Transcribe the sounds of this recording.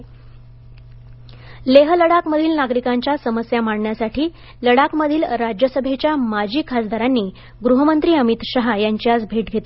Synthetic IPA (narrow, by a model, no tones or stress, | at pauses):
leɦələɽakməd̪ʱiːlnaɡɾikaɲt͡ɕjasəməsjamaɽɳjasaʈʰiː | ləɽakməd̪ʱiːlɾad͡ʑjəsəbʱet͡ɕjamad͡ʑiːkʰasd̪ʱaɾanːiː | ɡɾuɦəmənt̪ɾiːəmit̪ɕəɦajaɲt͡ɕiasbʱeʈɡʱet̪e